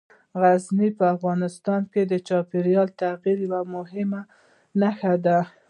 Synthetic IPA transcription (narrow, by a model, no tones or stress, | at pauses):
ɣaznipəafɣɑnɪst̪ɑnked̪ət͡ʃɑpeɾjɑlt̪aɣiɾjawamʊɦɪma | naxad̪a